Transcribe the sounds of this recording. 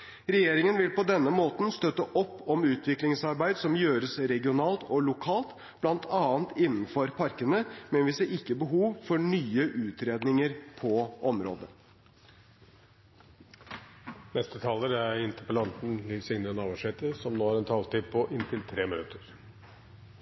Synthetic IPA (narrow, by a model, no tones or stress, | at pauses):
ɾɛjeːɾɪŋənʋɪlpɔd̪ɛnːəmoːt̪n̩st̪œt̪ːəʔɔpːɔmʉːt̪ʰʋɪklɪŋsɑɾbæɪd̪sɔmjøːɾəsɾɛɡɪʊnɑːlt̪ɔlʊkʰɑːlt̪ | b̥lɑnt̪ʰɑːnt̪ɪnːn̩fɔɾpʰɑɾkənəmɛnʋɪseɾɪkːəbəɦuːʋfɔɳyːəʔʉːt̪ɾeːd̪nɪŋəɾpʰɔʔɔmɾo̰ːd̪ə | nɛst̪ət̪ʰɑːləɾæɾɪnt̪əpəlɑnt̪n̩liʋsɪŋnəɾənɑːʋɑʂhɛːt̪əsɔmnoːæɾɛnt̪ʰɑːlt̪ipʰɔʔɪnt̪ʰɪlt̪ʰɾeːmɪnʉt̪əɾ